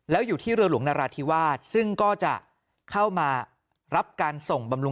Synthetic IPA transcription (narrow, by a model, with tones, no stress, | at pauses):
lɛː˦˥wjuː˨˩t̪ʰiː˥˩ɾɯ˧ɐlu˩əŋnaː˧ɾaː˧t̪ʰi˦˥waː˥˩t̪̚sɯ˥˩ŋkɔː˥˩t͡ɕa˨˩ʔ | kʰa˥˩wmaː˧ | ɾa˦˥p̚kaː˧nso˨˩ŋba˧mlu˧